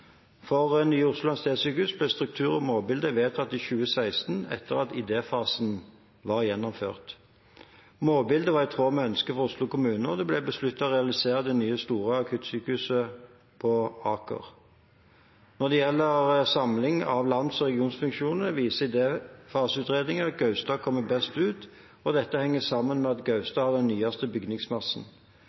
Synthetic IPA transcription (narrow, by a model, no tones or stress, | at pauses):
fɔʁɛnyːʊslʊlɑnst̪eːd̪syːkəhʉsblɛst̪ʁʉk̚t̪ʰʉːʁɔmoːbɪld̪əʋeːt̪ɑt̪ɪçʉːəsæɪst̪nɛ̰t̪ʰːəʁɑt̪ɪd̪eːfɑːsn̩ | ʋɑʁjɛnːɔmfø̰ːʁt̪ | moːbɪld̪əʋɑʁɛɪt̪ʰʁoːmɛœnskəfɔʁʊslʊkʰʊmʉːnəd̪ɛblɛbəslʉt̪ːɑɔʁɛɑlɪseːʁəd̪ɛnyːəst̪uːʁəɑkʰʉt̪syːkəʉsə | pʰɔɑːkə̰ʁ | nɔʁd̪ɛjɛlːəʁsɑmlɪŋɑʋlɑnd̪sɔʁɛɡɪuːnsfʉŋkʃuːnəʋiːsəɪd̪eːfɑːsʉːt̪ʁeːd̪nɪŋəɑt̪̚ɡɑʉst̪ɑːkʰɔmːəbɛst̪ʉːt̪ | ɔd̪ɛt̪ːəhɛŋːəsɑmːənmɛɑt̪ɡɑʉst̪ɑːhɑd̪ɛnːyːɑst̪əbʏɡnɪŋsmɑsn̩